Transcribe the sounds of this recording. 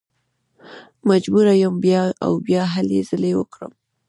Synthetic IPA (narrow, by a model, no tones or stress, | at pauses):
mad͡ʒbuɾajəmbjɑa̰wbjɑɦalezəlewə̰kɽə̰m